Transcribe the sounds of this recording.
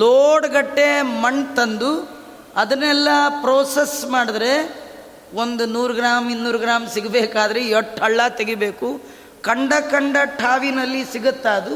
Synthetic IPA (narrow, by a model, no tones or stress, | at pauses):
loːɽɐɡɐʈːemɐɳt̪ɐnd̪u | ɐd̪ɐnɛlːɐpɾoːsesmaːɽɐd̪ɾe̞ | ond̪unuːɾuɡɾaːminnːuːɾɡɾaːmsiɡbeːkaːd̪ɐɾeoʈɐɭːɐt̪eɡibeːku | kɐɳɖɐkɐɳɖɐʈʰaːʋinɐlːisiɡɐt̪ːaːd̪u